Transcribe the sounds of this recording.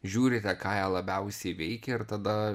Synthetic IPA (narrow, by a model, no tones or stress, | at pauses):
ʒʲuːɾʲɪt̪ʲɛkɑːjɛːlˠɐbʲɛʊsʲɛɪʋʲɛɪkʲɛɪɾt̪ɐd̪ɐ